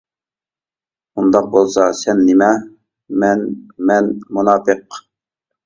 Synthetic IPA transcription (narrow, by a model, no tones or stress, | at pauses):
und̪ɑq̚bolˠsɑsɛnːɪmɛ | mɛnmɛnmunɑːt̪əq